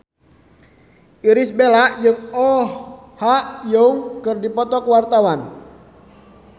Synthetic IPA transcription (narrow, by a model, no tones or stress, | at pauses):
ʔiɾisbelaʔd͡ʒɨŋɔ | haʔjɔŋkɨrdipɔt̪ɔkəwart̪awan